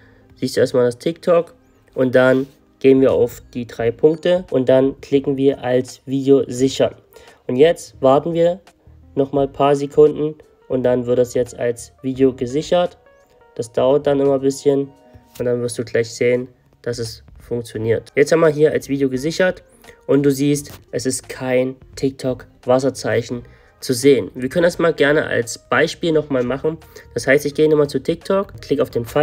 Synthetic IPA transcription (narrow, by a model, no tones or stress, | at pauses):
z̥iːstd̥uːʔeːɐstmaːldastʰɪk̚tʰɔk | ʔʊntd̥an | ɡ̥eːənviːɐʔa̰ʊfd̥iːdʁaɪpʰʊŋk̚təʔʊnt̚d̥ankl̥ɪkŋ̩viːɐʔalsv̥iːdeozɪçɐn | ʔʊntjɛt͡stv̥aɐtn̩viːɐ | nɔχmaːlpʰaːɐzekʰʊndn̩ | ʔʊntd̥anvɪɐt̚d̥asjɛt͡sta̰lsv̥iːdeoɡəzɪçɐt | d̥asd̥aʊɐt̚d̥anɪmɐbɪsçən | ʔʊntd̥anvɪɐstd̥uːɡlaɪçz̥eːən | d̥asɛsfʊŋk̚t͡sjoniːɐtjɛt͡sthamaɦiːɐa̰lsv̥iːdjoɡəzɪçɐt | ʔʊntd̥uːziːstʔɛsɪstkʰaɪntʰɪk̚tʰɔk | v̥as̬ɐt͡saɪçn̩ | t͡suzeːənviːɐkʰœnəndasmaːlɡɛɐnə̰ʔa̰lsb̥aɪʃpiːlnɔχmaːlmaχn̩d̥ashaɪstɪçɡ̥eːənɪmat͡sutʰɪk̚tʰɔkkʰl̥ɪkaʊfd̥eːnfa